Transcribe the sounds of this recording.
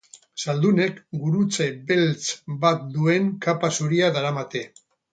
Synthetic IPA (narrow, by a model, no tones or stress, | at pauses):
sald̪une̞kɡuɾut͡sebe̞lt͡sbat̪̚d̪ue̞ŋkapasuɾiaðaɾamat̪e̞